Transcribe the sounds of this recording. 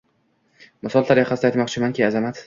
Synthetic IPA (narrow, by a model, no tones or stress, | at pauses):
mɪsɒlˠt̪ʰaɾjaqʰasɪd̪ajt̪mɒqt͡ʃʰɪmankʲiazamat̪